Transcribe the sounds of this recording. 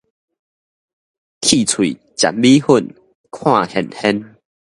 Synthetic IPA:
kʰi˥˨t͡sʰwḭ˨ | t͡ɕa̰˨˩m̚bi˦hu˥˧˨n | kʰwã˥˧˨hɛ˨˩nhɛ˦n

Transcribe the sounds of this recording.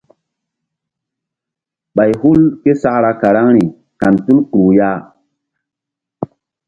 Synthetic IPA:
ɓa˨jhu˦lke˦sa˦ʔɾa˧ka˨ɾa˦ŋɾi˨ | ka˨ntu˦lkɾu˨ja˦

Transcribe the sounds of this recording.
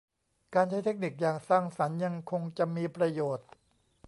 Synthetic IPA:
kaː˧nt͡ɕʰa˥jt̪ʰe˦˥k̚ni˨˩k̚jaː˨˩ŋsaː˥˩ŋsa˩˦nja˧ŋkʰo˧ŋt͡ɕa˨˩miː˧pɾa˧joː˨˩t̪̚

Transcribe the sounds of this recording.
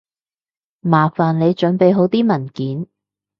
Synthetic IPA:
maː˨˩faː˨˩nle˨˧jt͡ʃɵ˨˥npe˨˧jɦo˨˥wt̪iː˥mɐ˨˩nkiː˨˥n

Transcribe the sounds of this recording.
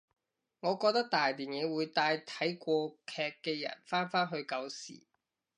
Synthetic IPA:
ŋɔː˨˧kɔː˧k̚t̪ɐ˥k̚t̪aː˨jt̪iː˨njɛ˨˥wuː˨˧jt̪aː˧jt̪ʰɐ˨˥jkʷɔː˧kʰɛː˧kːɛː˧jɐ̰˨˩nfaː˥nfaː˥nɦɵ˧ɥkɐ˧wsḭː˨˩

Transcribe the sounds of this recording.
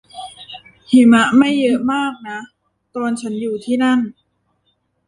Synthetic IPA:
hi˩˦ma˦˥ʔma˥˩jːɤ˦˥maː˥˩k̚na˦˥ | t̪oː˧nt͡ɕʰa˦˥njuː˨˩t̪ʰiː˥˩na˥˩n

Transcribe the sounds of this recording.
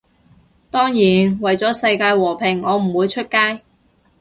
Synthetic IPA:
t̪ɔː˥ŋjiː˨˩nwɐ˨˩jt͡sɔː˨˥sɐ˧jkaː˧jwɔː˨˩pʰɪ˨˩ŋɔː˨˧m̩˨˩wuː˨˧jt͡ʃʰɵ˥t̚kaː˥j

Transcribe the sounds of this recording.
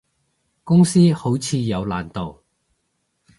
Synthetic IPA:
kʊ˥ŋsiː˥ho˨˥wt͡sʰiː˨˧jɐ˨˧wlaː˨˩nt̪o˨w

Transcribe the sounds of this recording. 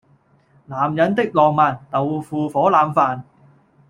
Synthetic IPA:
laː˨mjɐ˨˥nt̪ɪ˥k̚lɔː˨ŋmaː˨˩nt̪ɐ˨wfuː˨˧fɔː˨˥laː˨˧mfaː˨n

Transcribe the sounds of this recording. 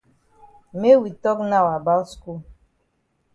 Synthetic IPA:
me˦wi˨tɔ˦kna˦˨wa˨ba˦sku˦˨

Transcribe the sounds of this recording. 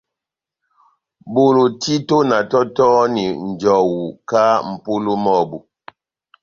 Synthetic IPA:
bo˨lo˨ti˦to˦na˨tɔ˦tɔ˦ni˨n̩˨d͡ʒɔ˨wu˨ka˦m̩˨po˦lo˦mɔ˦˨bu˨

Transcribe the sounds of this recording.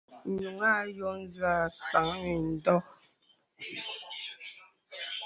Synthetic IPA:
ɲu˨ŋa˦jɔ˦n˦za˦˨sa˨˦ŋni˨n̩˨˦dɔ˦

